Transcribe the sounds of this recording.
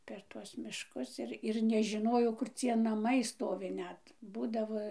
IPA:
pʲɛr ˈtuɔs mʲɪʃˈkʊs ɪr ɪr nʲɛʒʲɪˈnoːjɛʊ kʊr ˈt͡sʲiɛ nɐˈmɐɪ ˈstoːʋʲɪ ˈnʲɛt ˈbuːdɐʋoː

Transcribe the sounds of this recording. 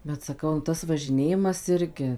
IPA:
bʲɛt sɐˈkɐʊ nʊ ˈtɐs ʋɐʒʲɪˈnʲeːjɪmɐs ˈɪrʲɡʲɪ

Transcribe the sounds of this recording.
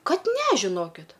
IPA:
ˈkɐt ˈnʲɛ ʒʲɪˈnoːkʲɪt

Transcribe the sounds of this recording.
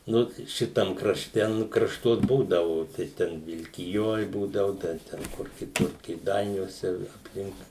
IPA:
ˈnʊ ˈʃʲɪtɐm krɐʃʲˈtʲɛ ˈnʊ krɐʃˈtuɔs ˈbuːdɐʋʊ tɐɪ ˈtʲɛn ʋʲɪlʲkʲɪˈjoːj ˈbuːdɐʋʊ ˈdɐ ˈtʲɛn ˈkʊr kʲɪˈtʊr kʲeːˈdɐɪnʲuɔsʲɛ ɪ ɐpʲˈlʲɪŋk

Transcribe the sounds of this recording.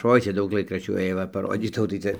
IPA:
ˈoːɪ ˈt͡sʲɛ ˈdɐʊk ˈlˠɐɪkrɐʃʲt͡ʃʲuː ˈeːjoː ʋɐ pɐˈroːdʲiːtɐʊ tɐɪ ˈt͡sʲɛ

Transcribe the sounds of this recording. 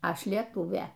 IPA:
ˈɐʃ lʲiɛˈtuːʋʲeː

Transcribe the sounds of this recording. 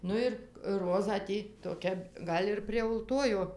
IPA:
ˈnʊ ɪr ˈroːzɑː ˈtʲiː toːˈkʲɛ ˈɡɐlʲ ɪr pʲrʲiɛ ʊlˠˈtoːjoː

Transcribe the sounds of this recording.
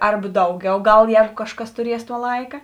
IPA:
ˈɐrbɐ ˈdɐʊˌɡʲɛʊ ˈɡɐlˠ ˈjɛːɡʊ ˈkɑːʃˌkɐs tʊˈrʲiɛs tuɔ ˈlˠɐɪkɐ

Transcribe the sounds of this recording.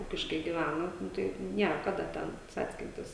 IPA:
ˈuːkʲɪʃkɐɪ ɡʲɪˈʋʲænɐ ˈnʊ tɐɪ ˈnʲiɛr ˈkɑːdɐ ˈtʲɛn ˈt͡sɑːt͡sʲkʲɪnʲtʲɪs

